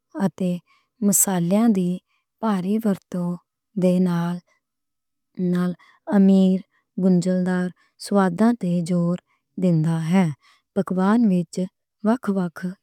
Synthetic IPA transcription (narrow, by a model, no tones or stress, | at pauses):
ət̪eː | məsaːljãːd̪iː | paːɾiːʋəɾt̪õː | d̪eːnaːl | naːl | əmiːɾ | ɡʊnd͡ʒəld̪aːɾ | swaːd̪ãːt̪eːd͡ʒoːɾ | d̪ɪnd̪aːɦɛː | bəɡʋaːnʋɪt͡ʃ | ʋəkʰʋəkʰ